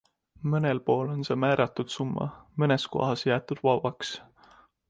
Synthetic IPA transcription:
mɤne̞lpo̞ːlo̞nse̞ːmæːɾʔɑt̪ːˑud̪̥sumːɑ̰mɤne̞sko̰ɦɑsjæːt̪ːud̪̥vɑvɑks

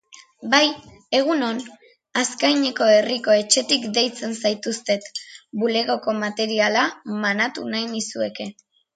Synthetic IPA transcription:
baj | e̞ɣ̞uno̞n | askajɲe̞ko̞e̞riko̞e̞t͡ʃe̞t̪ikd̪e̞jt͡se̞nsajt̪ust̪e̞t̪bule̞ɣo̞ko̞mat̪e̞ɾialamanat̪ṵnajnisue̞ke̞

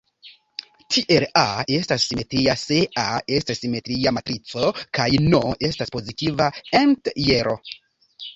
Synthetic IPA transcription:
tʰiʔe̞lae̞stasːime̞tɾiaseae̞stasːime̞tɾiamatɾit͡so̞kajnoe̞staspo̞zitivaentjeɾʔo

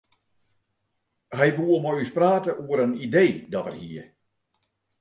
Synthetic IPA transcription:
ɦɛjʋuəmɔjyspraːtəʔuəɾənideːdɔtə̰rhiə

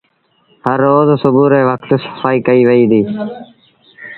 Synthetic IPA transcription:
həɾːoːzsʊbuːɾeːʋəkʰt̪sə̥faːiːkəiːʋəiːd̪iː

